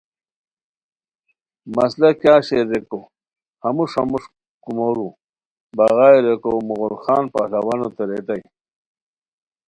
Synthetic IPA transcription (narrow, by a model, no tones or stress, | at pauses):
mɐslɐkjaːɕeɾeko | hɐmuʂamuʂ | kumoɾu | bɐɣaːjɾekomuɣolxaːnpahlɐwanot̪ɐɾet̪ɐj